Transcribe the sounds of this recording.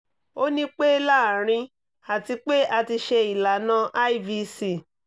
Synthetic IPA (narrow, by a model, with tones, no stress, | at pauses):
o˦nĩ˦k͡pe˦la˦˨ɾ̃ĩ˧ | a˨ti˧k͡pe˦ʔa˧ti˧ʃe˧i˨la˨nã˦ʔa˦i˦vi˧si˦˨